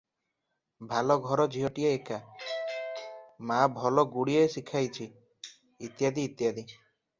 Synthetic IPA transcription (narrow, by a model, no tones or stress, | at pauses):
bʱalɔɡʱɔɾɔd͡ʒʱiɦɔʈieeka | mabʱɔlɔɡuɽiesikʰajt͡ʃʰiː | t̪jad̪iːt̪jad̪i